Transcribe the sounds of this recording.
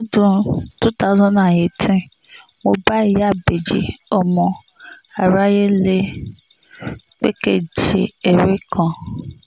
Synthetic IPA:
o˦dũ˦tu˦ta˦ʊ˦zɔ̃˦na˨je˨tʰĩ˦ | wo˨ba˦˨ja˦˨be˨d͡ʒḛ˨ɔ˨mɔ̃˨ | a˨ɾa˦je˦le˦ | k͡pḛ˦ke˦˨d͡ʒe˨e˨ɾe˦kʰɔ̃˨

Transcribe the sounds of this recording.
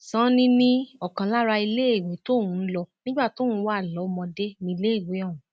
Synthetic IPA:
sã˦nĩ˦nĩ˦ɔ˨kã˨la˦ɾa˧i˧le˦e˦˨wẽ˨˦to˦˨wũ˨˦lɔ˧nĩ˦ɡ͡ba˦˨to˨˦˨wũ˨˦wa˦˨lɔ˨˦mɔ̃˧de˦nĩ˧i˧le˦e˦˨we˨˦ɔ̃˦˨ũ˨

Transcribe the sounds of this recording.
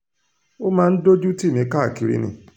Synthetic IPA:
o˦mãː˦˧n̩˦do˦d͡ʒu˦ti˦˨mĩ˧ka˦˨ki˨˧ɾḭ˧˦nḭ̃˧˦˨

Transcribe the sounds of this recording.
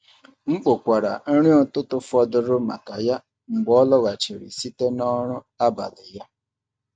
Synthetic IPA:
ŋ͡m̩˦k͡po˨kʷa˨ɾa̰˨n̩˦ɾi˦ɔ˦tʊ˦tʊ˨fɔ˨dʊ˨ɾʊ˦ma̰˨ka˨ja˦ | ŋ͡m̩˨ɡ͡bɔ˦lɔ˦ɣa˨t͡ʃi˨ɾḭ˨si˦te˦nɔ˦ɾʊ˦ | a˦ba̰˨lɪ˨ja˦

